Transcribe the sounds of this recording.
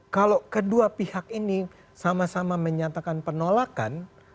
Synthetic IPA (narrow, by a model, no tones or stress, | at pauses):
kalokəduapihakini | samasamaməɲat̪akanpənolaka̰n